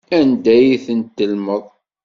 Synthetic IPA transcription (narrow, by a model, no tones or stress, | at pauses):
ænd̪æjθənt̪ːəlməðˤ